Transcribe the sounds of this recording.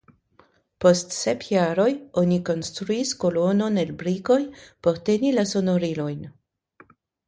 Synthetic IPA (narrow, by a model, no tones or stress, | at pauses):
po̞stsepjaɾo̞jo̞niko̞nstɾuisko̞lo̞no̞nelbɾiko̞jpo̞ɾte̞nilaso̞noɾilo̞jn